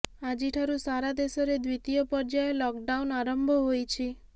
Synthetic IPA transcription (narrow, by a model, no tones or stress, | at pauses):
ad͡ʒiʈʰaɾusaɾad̪esɔɾed̪wit̪ijɔpɔɾd͡ʒaelɔkɖaunaɾɔmbʱɔɦojt͡ʃʰi